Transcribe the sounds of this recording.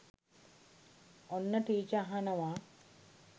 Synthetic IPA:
onːɐʈiːt͡ʃɐɦɐnɐʋa

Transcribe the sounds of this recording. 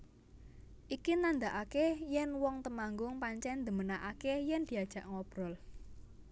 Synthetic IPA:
ʔikinand̪aʔakejɛnwɔŋt̪əmaŋɡʊŋpaɲt͡ʃɛnd̪ə̤mənaʔakejɛnd̪̥i̤ad̥ʒ̥ä̤ʔŋɔb̥ɾɔl

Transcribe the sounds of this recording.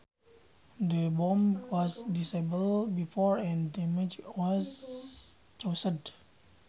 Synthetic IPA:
dəbɔ̃mwɔsdisebəlbifɔɹɛ̃ndɛmɛd͡ʒwɔs | t͡ʃosəd

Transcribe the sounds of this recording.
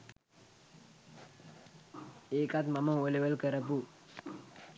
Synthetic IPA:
eːkat̪maməoleʋəlkəɾəpu

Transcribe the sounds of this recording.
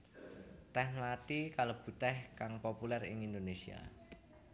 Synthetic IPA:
t̪ɛhmlat̪ikalob̥ṳt̪ɛhkaŋpopulɛrɪ̰ŋind̪onesia̰

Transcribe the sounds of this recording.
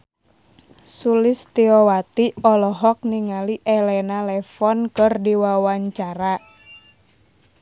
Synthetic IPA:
sulɪst̪iɔwat̪iɔlɔɦɔk̚niŋaliʔɛlɛnalɛfɔnkɨrdiwawaɲt͡ʃaɾa

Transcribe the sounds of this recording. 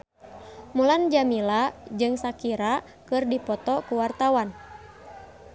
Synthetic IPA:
muland͡ʒamilad͡ʒɨŋsakiɾa | kɨrdipɔt̪ɔkuwart̪awan

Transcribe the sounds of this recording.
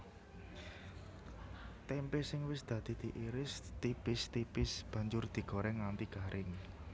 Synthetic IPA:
t̪ɛmpesɪŋwɪsd̪̥ä̤d̪̥i̤d̪̥i̤ʔiɾɪst̪ipɪst̪ipɪsb̥ä̤ɲd͡ʒʊrd̪̥i̤ɡ̥o̤ɾɛŋant̪iɡ̥a̤ɾʔɪŋ

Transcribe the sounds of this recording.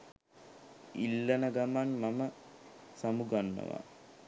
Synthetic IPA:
ilːənəɡamanmaməsamuɡanːə̰ʋa̰

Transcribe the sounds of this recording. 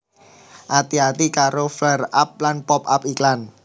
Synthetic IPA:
ʔat̪iat̪ikaɾoflɛra̰p̚lanpɔp̚apiklan

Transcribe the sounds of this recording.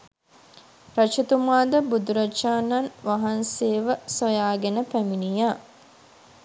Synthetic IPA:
ɾɐt͡ʃut̪umaːd̪əbud̪uɾɐt͡ʃaːnːanʋaɦanseːʋəsojaːɡenəpæminijaː

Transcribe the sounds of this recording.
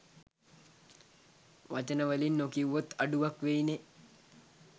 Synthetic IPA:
ʋat͡ʃənəʋəlinːokiwːot̪aɖuʋakʋejne

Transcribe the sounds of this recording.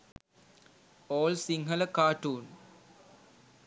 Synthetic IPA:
oːlsiŋɦələkaːʈuːn

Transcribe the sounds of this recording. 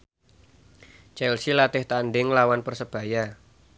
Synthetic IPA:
t͡ʃɛlsilat̪ɪht̪anɖɪŋlawanpərsəb̥a̤ja

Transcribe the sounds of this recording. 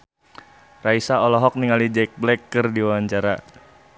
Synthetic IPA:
raisaɔlɔɦɔk̚niŋalid͡ʒɛk̚blɛkːɨrdiwawaɲt͡ʃaɾa

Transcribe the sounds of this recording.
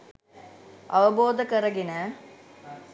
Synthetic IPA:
ɐʋɐboːd̪ɐkɐɾɐɡɪnɐ

